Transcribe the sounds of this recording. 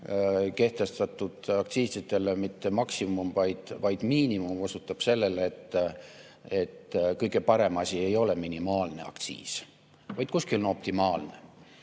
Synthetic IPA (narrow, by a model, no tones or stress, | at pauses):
ke̞ht̪e̞st̪ɑt̪ːˑud̪̥ɑkt̪siːsid̪e̞lemit̪ːe̞mɑksimumvɑjd̪̥vɑjd̪̥miːnimumo̞sut̪ːˑɑb̥se̞lːe̞let̪ːˑ | e̞t̪ːkɤjɡ̥e̞pɑɾe̞mɑsie̞jo̞le̞minimɑːlne̞̰ɑ̰kt̪sḭːs | vɑjd̪̥̚kuskilonopt̪imɑːlne̞